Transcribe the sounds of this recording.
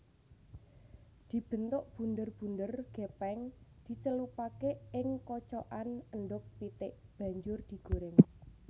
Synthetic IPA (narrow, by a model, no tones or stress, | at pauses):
d̪̥i̤b̥ə̤nt̪ʊʔb̥ṳnd̪ərb̥ṳndərɡ̥epɛŋd̪̥i̤t͡ʃəlupakeɪŋkɔt͡ʃɔʔanənɖʊk̚pit̪ɪʔb̥a̤ɲd͡ʒʊrd̪̥i̤ɡ̥o̤ɾɪŋ